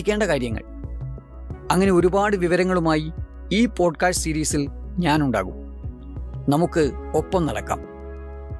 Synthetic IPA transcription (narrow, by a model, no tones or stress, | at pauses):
ikʲːe̞ːɳɖɐkaːɾjɐŋːɐ̰ɭ | ɐŋːɐne̞o̞ɾubaːɽɨʋiʋɐɾɐŋːɐɭumaːji | iːpo̞ːɖkaːsʈɨsiɾiːsilɲaːnuɳɖa̰ːɣṵm | nɐmukːɨopːɐmnɐ̰ɽɐ̰kːa̰ːm